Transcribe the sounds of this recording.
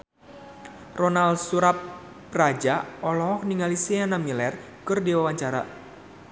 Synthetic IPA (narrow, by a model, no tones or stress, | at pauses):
rɔnalsuɾap | rad͡ʒaɔlɔɔk̚niŋalisianamɲəlɛr | kɨrdiwawaɲt͡ʃaɾa̰